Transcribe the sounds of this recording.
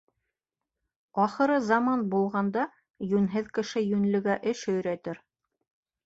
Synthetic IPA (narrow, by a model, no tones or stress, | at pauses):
ɑχɤ̆ɾɤzɑmɑnbulˠʁɑnd̪ɑ | jʉnɦɘðkɘ̆ʃɘjʉnlɘ̆ɡæʔɘʃhɵ̆jɾæt̪ɘɾ